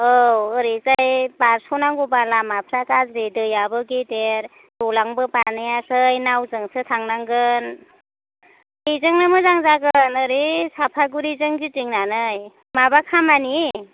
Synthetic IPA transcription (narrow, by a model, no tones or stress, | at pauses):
ɯwɯɾezajbaɾsonaŋɡubalamapʰɾakazɾedɯjabɯɡedeɾ | dolaŋbɯpanɯjasɯjnawzɯŋsʰɯtʰaŋnaŋɡɯn | ejzɯŋnɯmɯzaŋzaɡɯnɯɾesapʰaɡuɾizɯŋzitiŋnanɯj | mabakʰamani